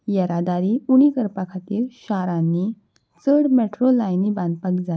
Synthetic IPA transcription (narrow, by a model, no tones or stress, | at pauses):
jəɾad̪aɾiuɽ̃ikəɾpakʰat̪iːɾɕaɾãnːi | t͡səɽmeʈɾolajnibãnd̪̚pakd͡za